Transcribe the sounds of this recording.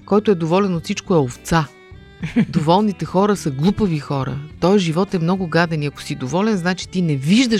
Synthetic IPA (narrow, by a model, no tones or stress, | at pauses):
kɔjt̪ʊɛd̪ovɔlɛnot̪sit͡ʃkoɛoft̪sa | d̪ovɔlˠnit̪ɛxɔɾəsɐɡlˠupəvixɔɾə̰t̪ɔjʒivɔt̪ɛmnɔɡʊɡad̪ɛniɐko̥sid̪ovɔlɛnznat͡ʃi̥t̪inɛviʒd̪ə